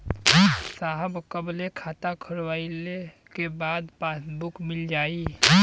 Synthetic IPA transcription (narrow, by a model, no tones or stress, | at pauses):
saːɦəbkəblekʰaːt̪akʰəɾwaːile | kebaːd̪paːsbʊkmɪld͡ʒaːiː